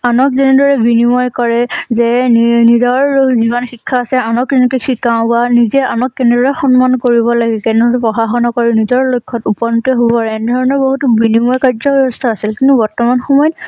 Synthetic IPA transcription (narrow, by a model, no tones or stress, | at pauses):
anɔk̚zɛnɛdɔɹɛbinimɔjkɔɹɛzɛnizɔɹziβɔnxikʰːaːsɛanɔkzɛnɛkexʰikaʊ̃banizɛanɔkːɛnɛdɔɹɛxɔnmankoɹibɔlaɡɛkɛnɛtpɹɔxaxɔnɔkɔɹinizɔɹlojkʰːɔtupɔntɔɦobɔɛnɛdʱɔɹɔnɔɹboɦutʊbinimɔjkaɹzɔbɛbɔstʰaːsilkintubɔɹtɔmanxɔmɔjt